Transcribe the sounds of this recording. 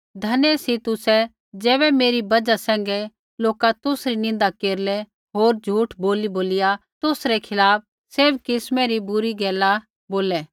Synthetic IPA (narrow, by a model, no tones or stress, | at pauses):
d̪ʱɐnɛsit̪ʊsɛ | d͡ʒɛːβɛmeːɾibɐd͡ʒasɛ̃ːŋ̆ɡɛ | loːkat̪ʊsɾinɪ̃nd̪akeːɾlɛ | ɦoːɾd͡ʒʱuːʈboːliboːlɪjat̪ʊsɾɛkʰɪlaːp̚ | sɪɾbkɪsmɛ̃ɾibʊɾiɡɛːla | boːlɛː